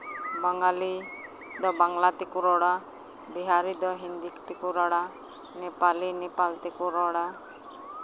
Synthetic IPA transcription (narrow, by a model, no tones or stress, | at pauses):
baŋɡali | d̪ɔbaŋɡlat̪ikuɾɔɽa | biɦaɾid̪ɔɦind̪ikt̪ikuɾɔɽa | nepalinepalt̪ikuɾɔɽa